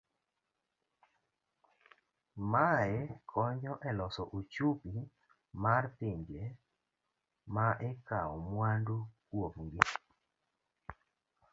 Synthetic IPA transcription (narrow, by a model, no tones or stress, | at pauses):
maɛkʰɔɲɔʔɛlɔsɔʔut͡ʃupi | martɪɲd͡ʒe | maʔɛkaɔmwandukwovŋɡɪ